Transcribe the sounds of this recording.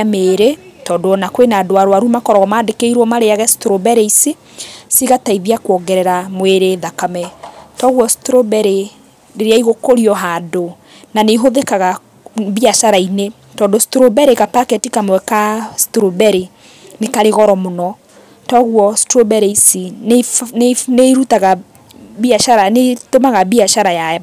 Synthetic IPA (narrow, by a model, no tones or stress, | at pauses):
ameːɾetɔːdoɔnakwenaːdoaɾoaɾumakɔɾɔɣɔmaːndekeiɾwɔmaɾeaɣɛstɾobɛɾeisi | siɣataiðiakwɔɡɛɾɛɾamweɾeðakamɛtɔɣwɔstɾobɛɾe | ɾeɾeaiɣokoɾiɔɦaːdo | naneɦoðekaɣa | βiaʃaɾaine | tɔːndostɾobɛɾeɣapakɛtikamwɛkastɾobɛɾe | nekaɾeɣɔɾɔmonɔ | tɔɣuɔstɾobɛɾeisin | neɾutaɣa | biaʃaɾanetomaɣabiaʃaɾaja